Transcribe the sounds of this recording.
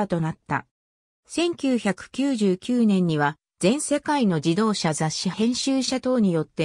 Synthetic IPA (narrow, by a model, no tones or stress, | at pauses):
t̪o̞nat̪ːa̰ | sẽ̞ŋkʲɨːçakɯ̟̥kʲɨːʑɨːkʲɨːnẽ̞ɲ̟ːiβa | z̥ẽ̞ɰ̃se̞kaino̞d͡ʑid̪o̞ːɕazaɕːihẽ̞ɰ̃ɕɨːɕat̪o̞ːɲ̟ijo̞t̪ːe̞